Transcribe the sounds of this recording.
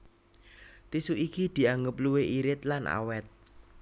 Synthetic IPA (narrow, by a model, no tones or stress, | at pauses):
t̪isuʔikid̪̥i̤aŋɡəp̚luweʔiɾɪt̪̚lanʔa̰wɛt̪̚